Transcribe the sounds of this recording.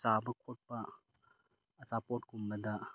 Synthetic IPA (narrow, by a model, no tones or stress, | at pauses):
t͡ʃabɐkʰot̚pɐ | t͡ʃapotkumbɐdɐ